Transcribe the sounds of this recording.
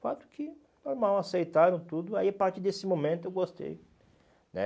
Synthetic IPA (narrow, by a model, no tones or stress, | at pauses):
fat̪ʊ̥kʰɪ | noɾmawasejt̪aɾɐ̃w̃t̪ud̪ʊaiapaɾt͡ʃ̪iɾd̪esɪmõmẽnt̪ʊewɡost̪ḛj | nɛ̰